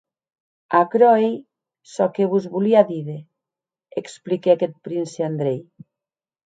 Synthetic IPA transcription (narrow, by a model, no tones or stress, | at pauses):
akɾɔej | sɔkeβuzβuliaðiðe | eksplikeaket̪̚pɾinseand̪ɾej